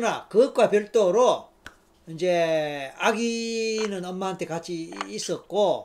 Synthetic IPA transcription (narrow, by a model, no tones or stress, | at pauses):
nakɯk̚k͈wapjʌɭt͈oɾo | ind͡ʑe̞aɡinɯnʌmːaɦantʰe̞kat͡ɕ͈ʰiːs͈ʌt̚k͈o